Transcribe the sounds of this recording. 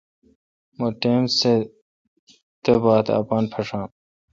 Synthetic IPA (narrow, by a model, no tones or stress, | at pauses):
moʈeːmse | t̪ebaːt̪ɐ̰paːnpʰɐʂãːm